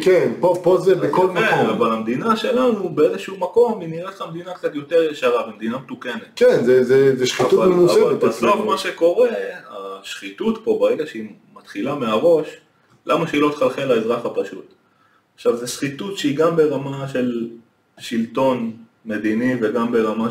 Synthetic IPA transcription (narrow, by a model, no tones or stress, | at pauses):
kenpopozebbekolmakoavalamd̪inaʃe̞lanubeezeʃeumako̞miniʁet̪χamd̪inakt͡sat̪jo̞t̪eʁjeʃaʁabemd̪inamet̪ukenet̪kenzɛzɛzɛʃχit̪utvamemusealetbasofmaʃe̞ko̞ʁe̞a̰ʃχit̪ut̪po̞beʁeɡaʃeimat̪χilameaʁo̞ʃ | lamaʃeilot̪χalχelaezʁaχapaʃut̪ | aχʃavzeʃχit̪utʃeiɡambe̞ʁamaʃe̞l | ʃilt̪o̞n | me̞d̪iniveɡambe̞ʁama